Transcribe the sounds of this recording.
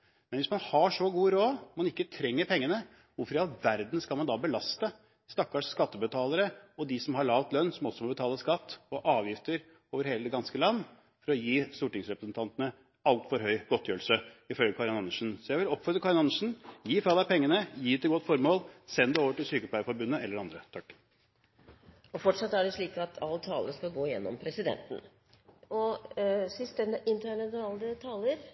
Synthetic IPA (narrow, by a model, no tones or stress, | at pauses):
mɛnʋɪsmɑnhɑʂɔɡuːəɾoːmɑnɪkːət̪ʰɾɛŋːəɾpʰɛŋːənə | ʋʊɾfɾɪɑt̪ʋæɾd̪nskɑlmɑnd̪ɑbəlɑst̪ə | st̪ɑkːɑʂskɑt̪ːəbət̪ʰɑːləɾəɔd̪ɪsɔmhɑɭɑːʋt̪lœnːsɔmɔsɔmɔbət̪ʰɑːləskɑt̪ːɔʔɑːʋjɪft̪əɾ | oːʋəɾheːləd̪ɛɡɑnskəlɑnː | fɔɾɔjiːst̪uːʈɪŋsɾɛpɾəsn̩t̪ʰɑnt̪ənə | ɑlt̪fɔɾɦœʏɡɔt̪ʰːjøːl̩səɪfœlɡəkʰɑɾɑnɑnːəʂn̩sɔjæɪʋɪlɔpfœɾəkʰɑɾɑnɑnəʂn̩jiːfɑləpʰɛŋːənəjiːd̪ɛt̪ʰɪlɡɔt̪ːfɔɾmoːlsɛnd̪əoːʋəʈɪlsyːkəpʰlæɪəfɔɾbʉnːəɛlːəɖɑnd̪ɾət̪ʰɑkː | ɔfɔʈʂɑt̪ːæɖɛʂɭiːkɑt̪ʰɑlːt̪ʰɑːləskɑlɡoːɪjɛnːɔ̰mpʰɾɛsɪd̪ɛ̰nt̪n̩ | ɔsɪst̪ənɪnt̪əɳɑnɑːləət̪ʰɑːləɾ